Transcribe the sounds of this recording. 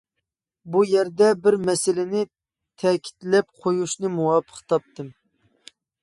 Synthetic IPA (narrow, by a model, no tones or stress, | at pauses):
bujɛɾd̪ɛbɪɾmɛsɪlɪnɪ | t̪ʰɛkʲʰi̥t̪lɛp̚qʰojuʃnɨmuwɑpʰə̥χt̪ʰɑp̚t̪ʰɨm